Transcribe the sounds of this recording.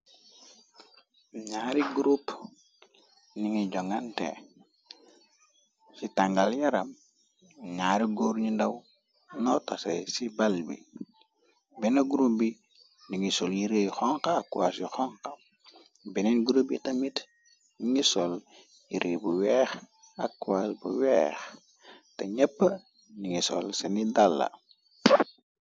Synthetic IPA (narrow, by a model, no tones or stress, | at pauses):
ɲaːɾiɡuɾup | niŋiɟoŋantḛ | sitaŋɡaljaɾam̩ | ɲaːɾiɡoːɾɲindaw | notasḛsibalbḭ | bɛnaɡuɾup̚bi | niŋisoljiɾexɔŋkaːkːuwasjixɔŋkɐ | bɛnɛnɡuɾobitɐmit | niŋisol | jiɾʔebuwɛːx | akːuasbṵwɛːx | teɲɐpːə | niŋisɔ̰lsenidalːa̰